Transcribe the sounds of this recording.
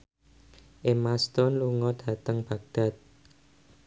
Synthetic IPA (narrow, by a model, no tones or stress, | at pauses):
ʔemast̪ɔnluŋɔd̥ä̤t̪əŋb̥ä̤ɡ̚d̥a̤t̪̚